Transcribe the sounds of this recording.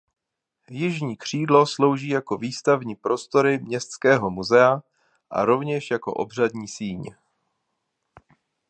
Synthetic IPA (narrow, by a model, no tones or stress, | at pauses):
jɪʒɲiːkr̝̥iːdlo̞slo̞wʒiːjako̞viːst̪avɲiːpɾo̞st̪o̞ɾɪmɲɛst̪t͡skɛːɦo̞muzɛa | ʔa̰ɾo̞vɲɛʃjako̞̰ʔo̞̰br̝adɲiːsiːɲ